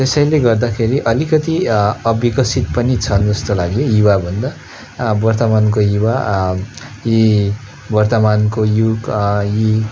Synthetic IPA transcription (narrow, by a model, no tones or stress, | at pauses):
t̪esʌjleɡʌrd̪akʰeɾiʔʌlikʌt̪iʌbikʌsit̪̚pʌnit͡sʰʌnd͡zʌst̪olaɡjojiwabʱʌnd̪a | bʌrt̪ʌmankojiwa | ji | bʌrt̪ʌmankojuɡji